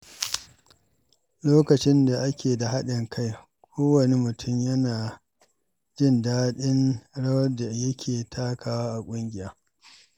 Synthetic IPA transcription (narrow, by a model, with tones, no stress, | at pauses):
loː˦kɐ˨t͡ʃɪ˦nda˨ʔa˦kʲeː˨da˨ɦa˦ɗɪ˨ŋkʰa˦j | kʷʰoː˦wɐ˨ni˦mʊ˨tʰʊ˦˨mjɐ˦naː˨ | d͡ʒɪ˦˨ndaː˦ɗɪ˦nɽɐ˦wɐ˦da˨jɐ˦kʲʰeː˨tʰaː˦kaː˨waː˦ʔa˨kʷʼʊ˦ŋɡʲɪ˦jaː˦